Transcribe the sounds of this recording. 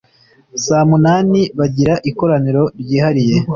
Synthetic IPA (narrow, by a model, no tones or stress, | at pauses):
saːmunaːniβaɟiɾaʔiko̞ɾaniɾo̞ɾɟiːhaɾije̞